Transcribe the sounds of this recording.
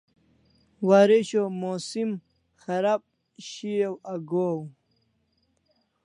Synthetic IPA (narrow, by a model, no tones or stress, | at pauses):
waːɾeɕomoːsim | xɐɾab̚ | ɕijewaɡow